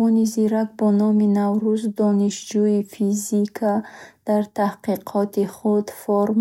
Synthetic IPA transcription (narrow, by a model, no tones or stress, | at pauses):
ɔniziɾak̚bɔnɔminavɾuzd̪ɔniʃd͡ʒuifizikʰad̪̥aɾt̪ʰahqiqʰɔt̪ʰiχud̪foɾm